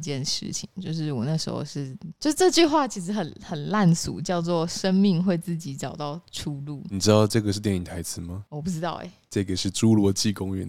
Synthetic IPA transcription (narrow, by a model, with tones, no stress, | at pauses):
t͡ɕjɛ˥˧nʂɻ̩̰˥˩t͡ɕʰḭ˨˩ŋt͡ɕjo˥˧ʊʂ̬ɻ̩˥˩wɔ˨˩na˥˩ʂɻ̩̰˧˥xo̰˧ʊʂɻ̩˥˩t͡ɕjo˥˧ʂɻ̩˥˧ʈ͡ʂɤ˥˧t͡ɕy˥˧xwa˥˩t͡ɕʰi˧˥ʂ̬ɻ̩˧˥xə˨˩nxə˨˩nla˥˩nsṵ˨˦t͡ɕjɑ˥˧ʊt͡swɔ˥˩ʂə˥ŋmi˥˧ŋxwe˥˧ɪt͡sɹ̩˥˩t͡ɕi˧˥˦ʈ͡ʂɑ˨˩ʊt̪ɑ˥˩ʊʈ͡ʂʰu˥lu˥˩ni˨˩ʈ͡ʂɻ̩˦˥t̪ɑ˥˧ʊʈ͡ʂɤ˥˩ɡə˩ʂɻ̩˥˧t̪jɛ˥˩ni˨˩ŋt̪ʰa˧˥ɪt͡sʰɹ̩˧˦ma˨ɔ˨˩p̬u˥˩ʈ͡ʂɻ̩˥t̪ɑ˥˩ʊḛ˨˩ | ʈ͡ʂɤ˥˩ɡə˩ʂɻ̩˥˩ʈ͡ʂu˥lwɔ˧˥t͡ɕi˥˨kʊ˥ŋɥɛ̰˧˦n